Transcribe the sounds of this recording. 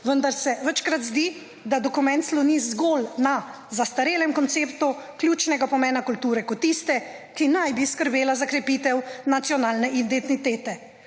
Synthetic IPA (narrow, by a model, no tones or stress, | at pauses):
ʋənd̪aɾsɛʋət͡ʃkɾat̪zd̪i | d̪ad̪ɔkumɛ̃nt̪slɔnizɡolna | zast̪aɾeːlɛmkɔnt̪seːpt̪uklʲjuːt͡ʃnɛɡapɔmɛːnakult̪uːɾɛkɔt̪ːist̪ɛkinajbiskəɾbeːlazakɾɛpit̪ɛwnat̪sjɔnaːlnɛʔind̪et̪nit̪eːt̪ɛ